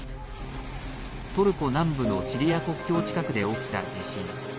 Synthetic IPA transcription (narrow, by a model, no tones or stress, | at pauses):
t̪o̞ɾɯ̟ko̞nãmbɯ̟no̞ɕiɾʲijako̞kʲo̞ːt͡ɕi̥kakɯ̟d̪e̞o̞kʲi̥t̪a̰d͡ʑiɕĩŋ